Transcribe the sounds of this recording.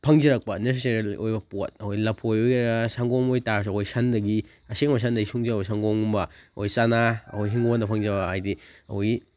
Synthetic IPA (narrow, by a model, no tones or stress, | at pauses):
pʰɐŋd͡ʒɐɾɐk̚pɐnes̬eseɾilʔojbɐpot̚ɐkojlɐpʰojojɾɐsaŋɡoŋojtaɾs̬ɐkʰojsɐndɐɡi | ɐseŋmɐs̬andɐɡisuŋd͡ʒikjsaŋɡoŋumbɐɐ̰kojsanaɐ̰kojɦiŋɡondɐpʰɐŋzɐbɐajdiɐhoj